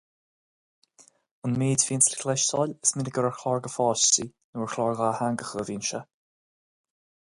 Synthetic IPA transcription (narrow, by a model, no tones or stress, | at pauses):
ʊnmiːdfiːnslɪklɛʃtʰɔlʲəsmɪnəɡəɾəxʰlɔɹɡəfɔʃtinuːəɹxʰlɔɹɣaːhaŋɡəxəviːnʃa